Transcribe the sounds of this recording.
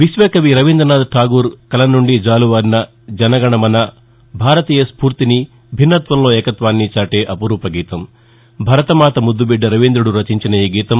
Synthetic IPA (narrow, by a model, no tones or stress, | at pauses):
ʋiʃʋɛːkɐʋiɾɐʋind̪ɾɐnaːd̪ʈʰaːɡuːɾkɐlɐnːuɳɖid͡ʒaːluʋɐɾnɐ | d͡ʒɐnɐɡɐɳɐmɐnɐ | bʱaːɾɐt̪iːjɐspuːɾt̪ini | bʱinːɐt̪ʋɐmlo̞ːɛːkɐt̪ʋaːnːit͡ʃaːʈe̞ːʔɐpuɾuːpɐɡiːt̪ɐm | bʱɐɾɐt̪ɐmaːt̪ɐmud̪ːubiɖːɐɾɐʋind̪ɾuɽuɾɐt͡ʃiɲt͡ʃinɐiːɡiːt̪ɐm